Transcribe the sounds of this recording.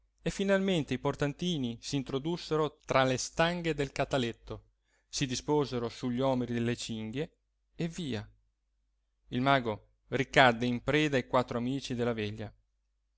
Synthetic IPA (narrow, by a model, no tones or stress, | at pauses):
efːinalment̪eiport̪ant̪iːnisiːnt̪ɾod̪usːeɾot̪ɾalest̪aŋɡed̪elkat̪alet̪ːo | sid̪ispoːzeɾosuʎːiɔːmeɾid̪elːet͡ʃiŋɡjeː | vːiːa | ilmaːɡo | rikad̪ːeimpɾɛːd̪ajkwat̪ːɾoamiːt͡ʃid̪elːavɛʎːa